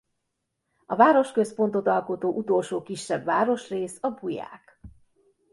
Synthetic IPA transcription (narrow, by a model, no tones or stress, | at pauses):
ɒvaːɾo̞ʃkø̞spo̞nt̪o̞t̪ɒlko̞t̪oːʔut̪o̞lʃoːkiʃːɛbʋaːɾo̞ʃreːsɒbuja̰ːk